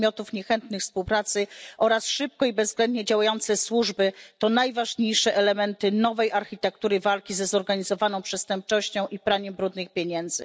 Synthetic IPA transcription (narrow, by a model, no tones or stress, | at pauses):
mjɔt̪ufɲɛxɛnt̪nɘxfspuwpɾat̪sɘʔɔɾasʂɘp̚kɔibɛzːɡlɛnd̪ɲɛd͡ʑawajɔnt̪sɛswuʐbɘt̪ɔnajvaʐɲejʂɛʔɛlɛmɛnt̪ɘnɔvɛjʔaɾxʲit̪ɛkt̪uɾɘvalkʲizɛzɔɾɡaɲizɔvanɔ̃w̃pʂɛst̪ɛmp̚t͡ʂɔɕt͡ɕɔ̃w̃ʔipɾaɲɛmbɾud̪nɘxpʲjeɲɛnd̪zɘ̰